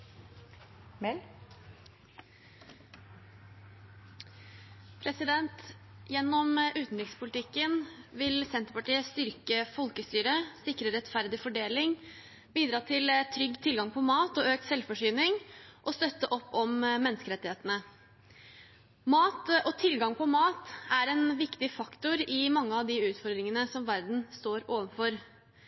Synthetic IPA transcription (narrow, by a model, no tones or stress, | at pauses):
mɛl | pʰɾɛsɪd̪ɛnt̪jɛnːɔmʔʉːt̪n̩ɾɪkspʰʊlt̪ʰɪkːənʋɪlsɛnt̪əɾpɑʈiːəst̪ʏɾkəfɔlkəst̪yːɾəsɪkɾəɾɛt̪fæɾd̪ɪfɔɖeːlɪŋ | biːd̪ɾɑːt̪ʰɪlt̪ʰɾʏɡːt̪ʰɪlɡɑŋpʰɔmɑːt̪ɔøːk̚t̪sɛlfɔʂyːnɪŋʔɔst̪œt̪ːəʔɔpːɔmmɛnːəskəɾɛt̪ɪheːt̪ənə | mɑːt̪ɔt̪ʰɪlɡɑŋpʰɔmɑːt̪æɾɛnʋɪkt̪ɪfɑkt̪ʊɾɪmɑŋːəɑʋd̪ɪʉːt̪fɔɾd̪ɾɪŋənəsɔmʋæɾd̪n̩st̪oːɾoːʋənfɔɾ